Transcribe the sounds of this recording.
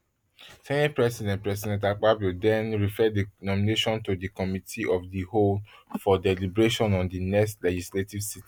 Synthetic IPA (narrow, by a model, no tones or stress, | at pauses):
sɛ̃nepɹɛsidɛ̃ntpɹɛs̬idɛ̃ntak͡pabudɛ̃nɹifɛdinɔmineʃɔ̃ntodikɔmitʰiɔfdiholfɔdɛlibɹeʃɔ̃nɔ̃ndinɛkstlɛd͡ʒisletivsit